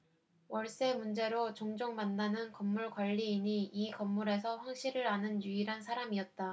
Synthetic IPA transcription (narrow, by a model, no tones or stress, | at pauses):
wʌɭs͈e̞mund͡ʑe̞ɾot͡ɕoŋd͡ʑoŋmandanɯnkʌmːuɭkwaʎːiːɲiikʌmːuɾe̞sʰʌɸwaŋɕ͈ʰiɾɯɾanɯnjuiɾɦansʰaɾamiʌt̚t͈a